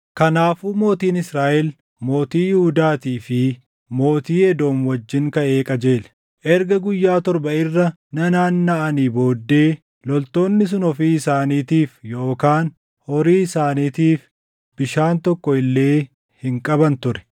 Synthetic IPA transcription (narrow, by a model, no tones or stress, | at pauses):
kɐnaːfuːmo̞ːt̪iːnɪsɾaːʔɛl | mo̞ːt̪iːjɪhʊd̪aːt̪iːfɪ | mo̞ːt̪iːɛd̪o̞ːnwɐd͡ʒːɪŋkɐʔe̞ːkʼɐd͡ʒe̞ːl | ʔɛɾɡɐɡʊjːaːt̪ɔɾbɐɪrːɐ | nɐnaːnːɐʔɐniːbo̞ːd̪ːe̞ː | lɔlt̪o̞ːnːɪs̬ʊnɔfiːɪsaːniːt̪iːfjo̞ːkaːn | hɔɾiːɪsaːniːt̪iːf | b̥ɪʃaːnt̪ɔkːɔɪlːe̞ː | hɪŋkʼɐbɐnt̪ʊɾɛ̥